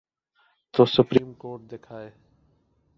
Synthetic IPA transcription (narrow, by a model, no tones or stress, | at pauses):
t̪oːsʊpɾiːmkoːɾʈ̚d̪eːkʰaːeː